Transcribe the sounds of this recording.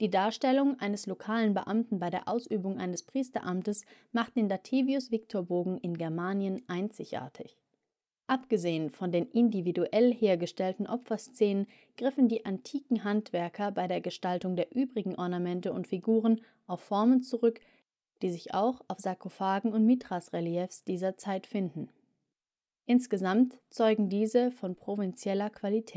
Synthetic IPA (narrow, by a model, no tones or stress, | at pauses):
d̥iːdaːɐʃtɛlʊŋʔaɪnəslokʰaːlənbəʔamtn̩baɪɾeːɐʔaʊsʔyːbʊŋʔa̰ɪnəspʁ̥iːstɐ̰ʔamtəsmaχt̚d̥eːnlatʰeːviʊsv̥ɪktʰoːɐboːɡŋ̩ʔɪnɡɛɐmaːnjənʔaɪnt͡sɪçʔa̰ːɐtʰɪç | ʔapɡ̥əzeːənfɔndeːnʔɪndividuʔɛlheːɐɡəʃtɛltn̩ʔɔpfɐst͡sɛːnən | ɡ̥ʁɪfn̩diːʔantʰiːkŋ̩ɦantv̥ɛɐkʰɐbaɪɾeːɐɡəʃtaltʊŋdeːɐʔyːbʁɪɡŋ̩ʔɔɐnamɛntəʊ̰ntfiɡuːʁ̞ən | ʔaʊfːɔɐmənt͡suʁʏk | d̥iːzɪça̰ʊxaʊfz̥akofaːɡŋ̩ʊntmitʁ̥asʁɛliɛfsd̥iːzɐt͡saɪtfɪndn̩ | ʔɪnsɡ̥əzamtt͡sɔʏɡŋ̩diːzəfɔnpʁ̥ovɪnt͡sjɛlɐkv̥alitʰɛː